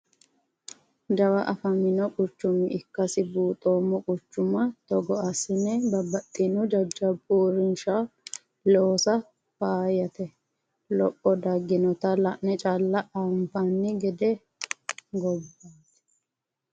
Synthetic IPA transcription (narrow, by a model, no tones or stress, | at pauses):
d̪ɐwɐʔɐfɐmɪnɔkʼʊt͡ʃːʊmɪɪkːɐsɪbuːt̪ʼoːmːɔkʼʊt͡ʃːʊmɐt̪ɔɡɔʔɐsɪnɛbɐbːɐt̪ʼːɪnʊd͡ʒɐd͡ʒːɐbuːɾɪnʃa | loːsɐ | baːjɐt̪ɛ | lɔpʼːɔd̪ɐɡːɪnɔt̪ɐlɐʔnɛt͡ʃʼalːɐʔaːmpanːɪɡɛd̪ɛ | ɡɔbːaːt̪ɛ̥